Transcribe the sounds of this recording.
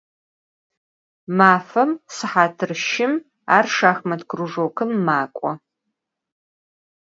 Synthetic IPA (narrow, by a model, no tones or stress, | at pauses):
maːfɐmsɨħaːtʰɨrʃɪm | a̰ːrʂaːxmɐdkʰruʐoːkʰɨmːaːkʷʼɔ